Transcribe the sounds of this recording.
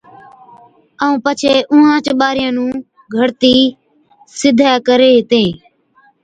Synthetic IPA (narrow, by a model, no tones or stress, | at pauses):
aːũːpət͡ʃʰeːʔʊ̃ːɦãːt͡ʃɓaːɾɪjãːnũː | ɡʱəɽt̪iː | sɪd̪ʱaːkəɾeːɦt̪ẽː